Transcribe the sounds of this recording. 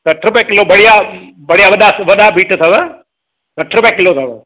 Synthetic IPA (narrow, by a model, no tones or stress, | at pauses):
sɐʈʰɾupɛ̃kɪlobɐɽ̤ija | bɐɽijaʋɐɗasʋɐɗabiːʈt̪ʰɐʋə | sɐʈʰɾupɛ̃kɪloːt̪ʰɐʋə